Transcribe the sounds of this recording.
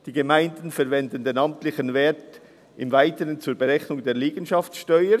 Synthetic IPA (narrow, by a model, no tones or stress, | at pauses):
d̥iːɡemaɪndənfɛɾvɛndən̩deːnɑmtlɪçənveːt | ʔɪmvaɪtəʁənt͡suːɐbeʁɛçnʊŋdeːɐliːɡənʃɑft͡ssʃtœʏə